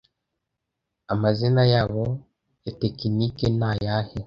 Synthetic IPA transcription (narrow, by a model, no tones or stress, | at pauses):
amazinajaβo | etekinikenajahe